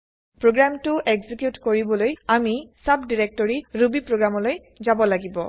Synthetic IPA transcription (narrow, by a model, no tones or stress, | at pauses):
pɹoɡɹamtʊʔɛɡzikjutkoɹibɔlojamisabdiɹɛk̚tɔɹiɹubipɹoɡɹamɔloj | zabɔlaɡibɔ